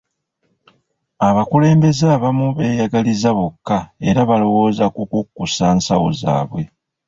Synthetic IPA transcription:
aβakule̞ːmbe̞zaβamuβe̞ːjaɡalizaβokːae̞ɾaβalo̞wo̞ːzakukukːusaːnsawoza̰ːβwe̞

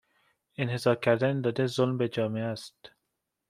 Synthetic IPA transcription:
enhezɒːɾkʲʰæɾd̪ænd̪ɒːd̪ezolmbed͡ʒɒːmeææst̪

